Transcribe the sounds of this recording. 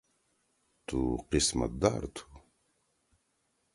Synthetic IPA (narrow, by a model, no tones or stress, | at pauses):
t̪uqisma̰d̪a̰ɾt̪ʰu̥